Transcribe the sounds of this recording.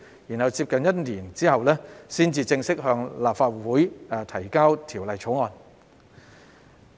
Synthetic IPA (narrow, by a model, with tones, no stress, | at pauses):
jiː˨˩nhɐ˨˧wt͡siː˧p̚kɐ˨njɐ˥t̚nliː˨˩nt͡siː˥hɐ˨wlɛː˥siː˥nt͡siː˧t͡sɪ˧ŋsɪ˥k̚ɦœː˧ŋlaː˨p̚faː˧t̚wuː˨˥ja˨t̪ʰɐ˨˩jkaː˥wt̪ʰiː˨˩wlɐ˨jt͡sʰo˨˥wŋɔː˨˧n